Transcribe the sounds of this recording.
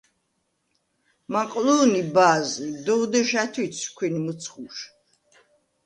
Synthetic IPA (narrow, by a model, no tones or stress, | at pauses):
maqʼluːnibaːzid̪ɔwd̪ɛʃat̪ʰit̪sʰkʰwɛnimət̪sʰχuʃ